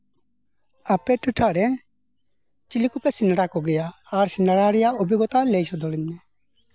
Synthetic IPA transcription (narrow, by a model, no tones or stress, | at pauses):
apɛʈuʈʰaɾɛ | t͡ʃilikupɛsinaɾakɔɡɛjaːɾsɪnaɾaɾijaobiɡɔt̪alejsɔd̪ɔliɲmɛ